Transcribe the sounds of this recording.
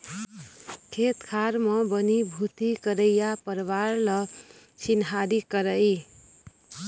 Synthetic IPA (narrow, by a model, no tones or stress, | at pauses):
kʰet̪kʰaɾmʌbʌnibʱut̪ikəɾəjjapəɾʋaɾlʌ | t͡ʃʰinɦaɾikʌɾəi